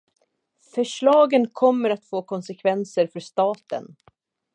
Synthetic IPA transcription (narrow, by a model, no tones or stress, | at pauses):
fœʂɭɑːɡənkʰɔmːəɾat̪foːkʰɔnsɛkʰvɛnsəɾfœʂt̪ɑːt̪ə̰n